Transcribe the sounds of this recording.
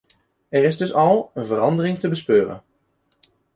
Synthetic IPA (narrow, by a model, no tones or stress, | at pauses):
ɛɾɪzdɵsɑlˠənvərɑndərɪŋtəbəspøːrə̰n